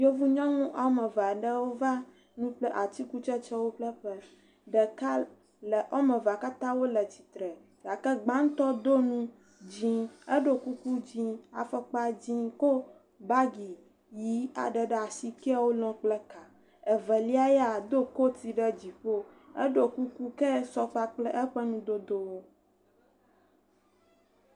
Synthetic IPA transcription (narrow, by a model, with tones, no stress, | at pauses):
jo˦vu˦ɲɔ̃˦ŋũ˦ʔa˦mə˨va˨ɖə˦wo˦va˦ | nũ˦ɸlɛ˦ʔa˨t͡ɕi˦ku˦t͡ʃɛ˦t͡ʃɛ˦wo˦ɸlə˦ɸə˦ | ɖə˨ka˦ | lə˨ʔɔ˦mə̃˨va˨ka˦t̪ã˦wo˦lə˨t͡ɕi˨t̪ɾɛ˨ | ja˨kə˦ɡ͡bã˦ŋ̩˦t̪ɔ˦d̪o˦nũ˦ | d͡ʑĩ˦ə˦ɖo˨ku˦ku˦d͡ʑĩ˦a̰˨fɛ˦k͡pa˦d͡ʑĩ˦ko˦ | ba˦ɡi˨ | ji˦a̰˨ɖɛ˨ɖɛ˨a˨si˦kɛ˦a˦wo˦lɔ̃˦k͡plɛ˦ka˨ | ɛ˨vɛ˨li˦a˦jɛ˦a˨d̪o˦ko˦t̪i˨ɖɛ˦d͡ʑi˨ɸo˦ | ɛ̰˦ɖo˨ku˦ku˦kɛ˦sɔ˦k͡pa˦k͡plɛ˦ʔɛ˦ɸɛ˦nũ˦d̪o˦d̪o˦wo˦